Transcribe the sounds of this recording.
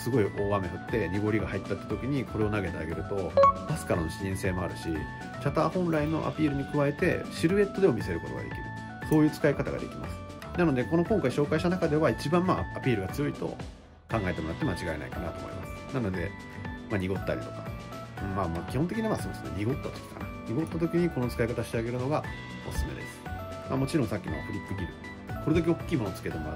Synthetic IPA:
sɨɡo̞iʔo̞ːβame̞hɯ̟t̪ːe̞ɲ̟iɡo̞ɾʲiɡahait̪ːat̪ːḁt̪o̞kʲiɲ̟iko̞ɾe̞o̞naɡe̞t̪ea̰ɡe̞ɾɯ̟t̪o̞b̥asɨ̥kaɾanoɕiɲĩɰ̃se̞ːmo̞aɾɯ̟ɕḭ | t͡ɕat̪aːhõ̞nɾaino̞̰ʔa̰pʲiːɾɯ̟ɲ̟ikɯ̟βae̞t̪e̞̰ɕiɾɯ̟e̞t̪ːo̞d̪e̞omʲise̞ɾɯ̟ko̞t̪o̞ɡa̰d̪e̞̰kʲiɾɯ̟ | so̞ːjɯ̟ːt͡sɨ̥kaikat̪aɡa̰d̪e̞̰kʲima̰sɨ̥ | nanod̪e̞ko̞no̞kõ̞ŋkaiɕo̞ːkaiɕt̪anakad̪e̞βait͡ɕibãmmaapʲiːɾɯ̟ɡat͡sɨjo̞it̪o̞̰ | kãŋɡae̞t̪e̞mo̞ɾat̪ːemat͡ɕiɡaena̰ḭkanat̪o̞ːmo̰ḭma̰sɨ̥nano̞d̪e̞̰ | maɲ̟iɡo̞t̪ːa̰ɾʲit̪o̞̥kḁ | ɯ̃ːmamakʲihõnt̪ekiɲimasoːd̪esɨnḛɲ̟iɡo̞t̪ːat̪okʲi̥ka̰naɲ̟iɡo̞t̪ːat̪o̞kʲiɲ̟iko̞no̞t͡sɨ̥kaikat̪aɕi̥t̪e̞aɡe̞ɾɯ̟no̞ɡa | o̞̰sɨ̥sɨme̞d̪esɨ̥mamo̞t͡ɕiɾõsakʲːimo̰a̰ɸɯ̟ɾʲipːɯɡʲiɾɯ | soɾe̞d̪ak̬ʲio̞kʲːiːmo̞not͡sɨ̥ke̞t̪e̞mo̞ɾa̰

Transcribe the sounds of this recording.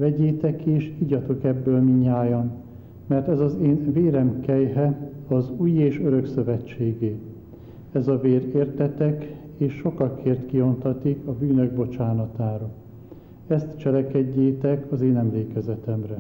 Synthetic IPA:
vɛɟeːt̪ɛkeːʃiɟɒt̪o̞kɛbːøːlmiɲːaːjɒn | mɛrt̪ɛzɒzeːnveːɾɛmkɛjɦɛɒzuːjeːʃøɾø̞ksø̞vɛt͡ʃːeːɡeː | ɛzɒveːɾeːrt̪ɛt̪ɛk | eːʃːo̞kɒkʰeːrt̪kio̞nt̪ɒt̪ikɒbyːnø̞ɡ̚bo̞t͡ʃaːnɒt̪aːɾɒ | ɛst̪t͡ʃɛlɛkɛɟːeːt̪ɛkʰɒzeːnɛmleːkɛzɛt̪ɛmrɛ

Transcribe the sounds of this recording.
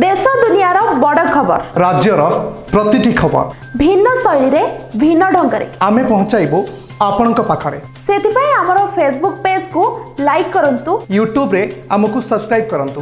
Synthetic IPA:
d̪esɔd̪unijaɾɔbɔɽɔkʰːɔbɔ̰ɾɾad͡ʒjɔɾɔpɾɔt̪iʈikʰɔbɔ̰ɾ | bʱinːɔsɔjɭiɾebʱinːɔɖʱɔŋɡɔɾḛamepɔɦɔ̃t͡ʃajbo | apɔɽ̃ɔŋkɔpakʰɔɾḛ | set̪ʰipaĩamɔɾɔpʰes̬buk̚ped͡ʒkulajkːɔɾɔnt̪ujuʈjubɾeamɔkusɔbskɾajb̚kɔɾɔnt̪u

